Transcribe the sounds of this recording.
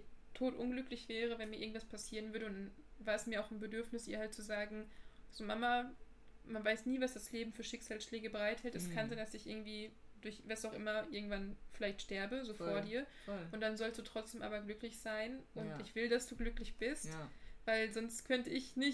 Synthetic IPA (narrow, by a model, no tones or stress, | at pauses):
tʰoːtʔʊnɡlʏklɪçv̥ɛːʁəvɛnmiɐɪɡŋ̩tv̥aspʰasiːʁənvʏɐɾəʊndan | vaːɐɛsmiːɐaʊxnbədʏɐfnɪsd̥iːɐhaltt͡suzaːɡŋ̩z̥oːmama | manvaɪsniːvasd̥asleːbm̩fyːɐʃɪkz̥aːlsʃlɛːɡəbəʁaɪthɛltɛskʰanzaɪ̃ndasɪçʔɪɐɡŋ̩tv̥iːdʊɐçvasaʊxʔɪmɐʔɪɐɡŋ̩tv̥anfɪlaɪçtʃtɛɐbəzoːfoːɐdiːɐ | ʔʊnt̚d̥anzɔlstd̥uːtʁ̥ɔt͡sd̥eːmʔaːbɐɡlʏklɪçz̥aɪnʔʊntʔɪçv̥ɪldasd̥uːɡlʏklɪçb̥ɪsttv̥aɪlzɔnstkʰœntəɪçnɪç